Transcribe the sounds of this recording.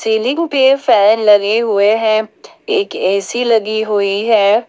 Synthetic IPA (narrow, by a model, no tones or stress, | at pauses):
seːlɪ̃ŋɡpefɛːnlɐɡeɦʊeɦɛ̃ː | eːkɛːsilɐɡiɦʊiɦɛː